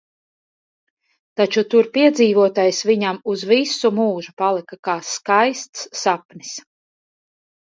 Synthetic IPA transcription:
t̪at͡ʃut̪uɾpiɛd̪ziːvuɔt̪aːjsviɲamuzvisumuːʒupalˠikakaːskajst̪sːapnis

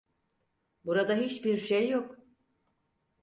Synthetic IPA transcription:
buɾad̪aɦit͡ʃbiɾʃejːok

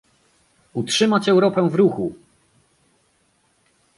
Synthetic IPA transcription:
utʂɘmat͡ɕɛwɾɔpɛw̃vɾuxu

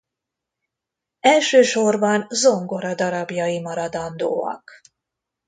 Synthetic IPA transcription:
ɛlʃøːʃo̞rbɒnzo̞ŋɡo̞ɾɒd̪ɒɾɒbjɒjimɒɾɒd̪ɒnd̪o̰ːɒ̰k

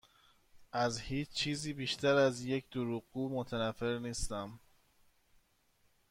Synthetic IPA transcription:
ʔæzhiːt͡ʃt͡ʃʰiːziːbiːʃt̪ʰæɾæzje̞cʰd̪oɾuːɣɡuːmot̪ʰænæfːe̞ɾniːst̪æm

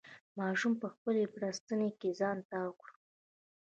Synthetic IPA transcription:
mɑʃumpəxpəlepɾast̪ənekezɑnt̪awəkɽu

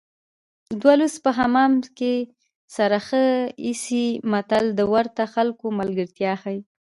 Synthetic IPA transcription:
d̪waluspəɦamɑmke | saɾaxəisimat̪ald̪əwaɾt̪axalkomalɡəɾt̪jɑxaj

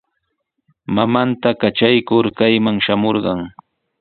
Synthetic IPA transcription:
mamant̪akat͡ʃajkʊɾkajmaŋʃamoɾɢɑŋ

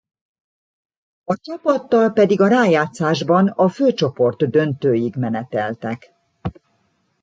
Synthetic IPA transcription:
ɒt͡ʃɒpɒt̪ːɒlpɛd̪iɡɒɾaːjaːt̪saːʒbɒnɒføːt͡ʃo̞po̞rt̪d̪ø̞nt̪øːjiɡmɛnɛt̪ɛlt̪ɛk

